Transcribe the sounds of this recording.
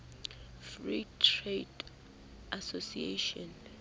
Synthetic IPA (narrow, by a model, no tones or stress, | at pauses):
fritʰred | ʔasosiḛʃɔ̃n